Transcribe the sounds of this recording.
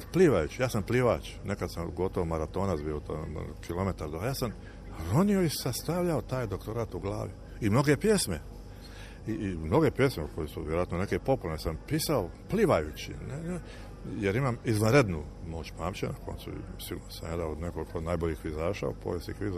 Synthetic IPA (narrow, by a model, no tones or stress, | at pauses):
pliʋajut͡ɕijaːsampliʋat͡ʃ | nʔekad̪samɡo̞t̪oʋomaɾat̪o̞ːnabiot̪kilo̞me̞t̪aɾd̪ojaːsam | ɾonio̞isast̪aʋʎaot̪aːjd̪o̞kt̪o̞ɾat̪uɡlˠa̰ːʋi | imno̞ɡepje̞sme̞ | imno̞ɡepje̞smekʰojesuʋjeɾoat̪none̞kepo̞pulnesampiːsaopliʋajut͡ɕḭne | jeɾimamizʋanɾed̪nu | mo̞ːt͡ɕpaːmt͡ɕenako̞̰nsṵsiɡuːɾnosamjad̪aod̪nekolikonaːjboʎixʋizaːʃa̰o̰po̰ʋjesikʋiza